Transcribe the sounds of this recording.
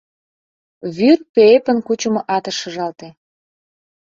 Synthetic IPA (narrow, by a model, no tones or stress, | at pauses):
βyrpeepə̆nkut͡ɕə̆mŏʔɑt̪ə̆ʃə̆ʒɑlt̪e